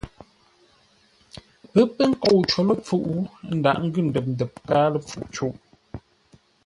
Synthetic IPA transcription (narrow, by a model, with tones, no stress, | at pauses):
pə˦pə˦ŋ̩˦ko˦˨wt͡ʃo˨lə˦p͡fu˦˨ʔu˨n̩˦da̰˨ʔŋ̩˦ɡʉ˦˨n̩˨də˨p̚n̩˨də˨p̚kaː˦lə˦p͡fṵ˨ʔt͡ʃu˦ʔ